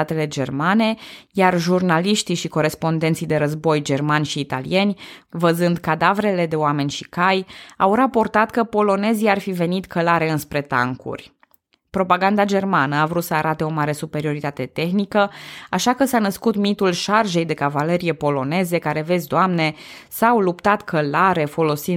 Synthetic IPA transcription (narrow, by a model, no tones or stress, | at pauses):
at̪e̞le̞d͡ʒe̞rmane̞jarʒurnaliʃt̪iʃiko̞ɾe̞spo̞nd̪e̞nt̪sijd̪e̞ɾəzbo̞jd͡ʒe̞rmanʲʃiːt̪a̰lḭe̞nʲvəzɨnd̪kad̪avɾe̞le̞d̪e̞oame̞nʲʃikajawɾapo̞rt̪at̪kəpo̞lo̞ne̞ziarfive̞nit̪kʰəlaɾe̞ɨnspɾe̞t̪a̰ŋkṵrʲ | pɾo̞paɡand̪ad͡ʒe̞rmanəavɾut̪səaɾat̪e̞o̞maɾe̞supe̞ɾio̞ɾit̪at̪e̞t̪e̞xnikəaʃakəsanəskut̪mit̪ulʃarʒe̞jd̪e̞kavale̞ɾije̞po̞lo̞ne̞zekaɾe̞ve̞zʲd̪oamne̞sawlupt̪at̪kʰəlaɾe̞fo̞lo̞si